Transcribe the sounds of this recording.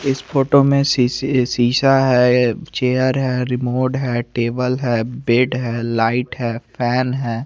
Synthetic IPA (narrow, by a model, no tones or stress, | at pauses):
ɪspoːʈomẽsisiːʃaɦɛt͡ʃeːəɾɦɛːɾɪmoːɖɦɛːʈeːbəlɦɛːbeːɖɦɛːlaːɪʈɦɛːpʰɛːnɦɛː